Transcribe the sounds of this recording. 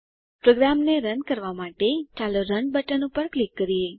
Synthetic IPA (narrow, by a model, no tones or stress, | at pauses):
pɾoɡɾamneɾənkəɾʋamaʈet͡ʃaloɾəɳɖbəʈənupəɾklikːəɾie